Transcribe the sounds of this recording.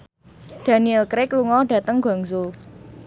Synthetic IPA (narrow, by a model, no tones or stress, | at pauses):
d̥a̤niɛlkɾɪkluŋɔɖ̥ä̤t̪əŋɡa̤ŋso